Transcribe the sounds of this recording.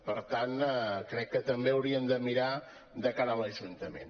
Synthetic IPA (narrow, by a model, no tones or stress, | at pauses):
pəɾt̪ankɾɛkːət̪əmbeəwɾiənd̪əmiɾa | d̪əkaɾələʒunt̪əmḛn